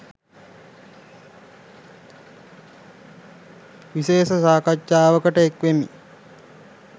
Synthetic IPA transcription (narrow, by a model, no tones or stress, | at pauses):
ʋiʃeːsəsaːkatt͡ʃaːʋəkəʈəekʋemḭ